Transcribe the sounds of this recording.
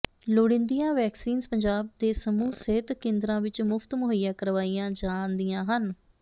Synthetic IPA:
loːɽɪ̃nd̪ijãːʋɛːksiːnzpəɲd͡ʒaːb̚d̪eːsəmuːsɪt̪kẽːnd̪ɾãːʋɪt͡ʃmʊpʰt̪mʊɦʊijãːkəɾʋaːiːãːd͡ʒaːnd̪ijãːɦən

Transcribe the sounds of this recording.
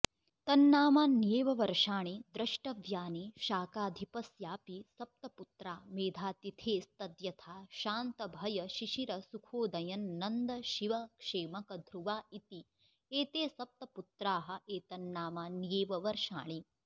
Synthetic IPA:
t̪ɐnːaːmaːnjeːʋɐʋɐɾʂaːɳid̪ɾɐʃʈɐʋjaːniːʃaːkaːd̪ʱipɐsjaːpisɐp̚t̪ɐput̪ɾaːmeːd̪ʱaːt̪it̪ʰeːst̪ɐd̪jɐt̪ʰaːʃaːnt̪ɐbʱɐjɐʃiʃiɾɐsukʰoːd̪ɐjɐnːɐnd̪ɐʃiʋɐkʂeːmɐkɐd̪ʱɾuʋaːit̪i | eːt̪eːsɐp̚t̪ɐput̪ɾaːɦɐ̆eːt̪ɐnːaːmaːnjeːʋɐʋɐɾʂa̰ːɳi

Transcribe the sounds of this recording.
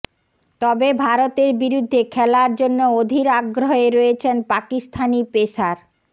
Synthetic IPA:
t̪ɔbebʱaɾot̪eɾbiɾud̪ʱːekʰɛlaɾd͡ʑonːood̪ʱiɾaɡɾoeɾojet͡ɕʰenpakist̪ʰanipeʃaɾ

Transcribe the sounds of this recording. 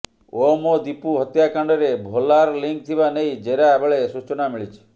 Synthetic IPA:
omod̪ipuɦət̪jakaɳɖɔɾebʱolaɾliŋk̚t̪ʰibaneɦid͡ʒeɾabəɭesut͡ʃnamiɭit͡ʃʰe̥

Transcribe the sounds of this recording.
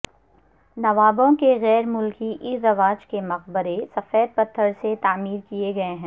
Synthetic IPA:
nɐʋaːbõkeɣɛːɾmʊlkiʔɪɾɐʋaːd͡ʒkemɐq̚bəɾesɐfeːd̪̚pɐt̪ʰːəɾset̪aːmiːɾkijeɡɐeɦɛ̃ː

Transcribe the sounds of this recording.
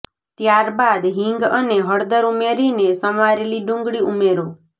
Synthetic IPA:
t̪jaɾbad̪ɦĩŋɡəneɦəɽd̪əɾumeɾinesəmaɾeliɖũŋɡɽiʔumeɾo

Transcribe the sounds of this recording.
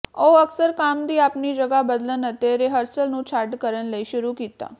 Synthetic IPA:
oəksəɾkamd̪iːaːpnid͡ʒəɡabəd̪lənət̪jeɾeɦəɾsəlnũt͡ʃʰaːɾʈkəɾənləiʃʊɾukit̪a̰

